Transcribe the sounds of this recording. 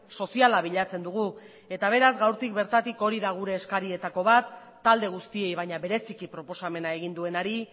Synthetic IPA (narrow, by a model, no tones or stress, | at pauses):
so̞sialaβ̞iʎat͡se̞nd̪uɣu | e̞t̪aβ̞e̞ɾazɡawɾt̪ik̚be̞ɾt̪at̪iko̞ɾiðaɣ̞uɾe̞ːskaɾie̞t̪ako̞β̞at̪ː | ald̪e̞ɣ̞ust̪ie̞jβajɲaβe̞ɾe̞sikipɾo̞po̞same̞nae̞ɣind̪ue̞naɾi